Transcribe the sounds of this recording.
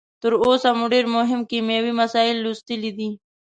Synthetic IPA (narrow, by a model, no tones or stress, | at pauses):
t̪əɾosamuɖeɾmʊɦɪmkimjawimasɑɪlːust̪əlid̪i